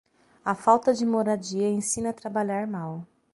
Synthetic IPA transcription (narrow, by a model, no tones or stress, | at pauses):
ɐfawt̪ɐd͡ʒɪmoɾad͡ʒiɐẽsĩnɐt̪ɾabaʎaɾmaw